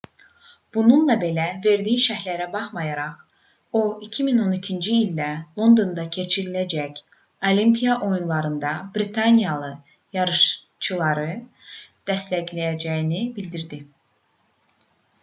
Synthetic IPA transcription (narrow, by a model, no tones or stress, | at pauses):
b̥ununlˠɑbe̞læve̞ɾd̪ijiʃæhlæɾæbɑχmɑjɑɾɑʁ | o̞icʰimino̞nicʰind͡ʒiːlʲːælˠo̞nd̪o̞nd̪ɑcʰe̞t͡ʃʰiɾilæd͡ʒæc | o̞limpʰijɑʔo̞junlˠɑɾɯnd̪ɑbɾit̪ʰɑnijɑlˠɯ | jɑɾɯʃ | t͡ʃʰɯlˠɑɾɯ | d̪̥æst̪læɟlæjæd͡ʒæjinibild̪iɾd̪i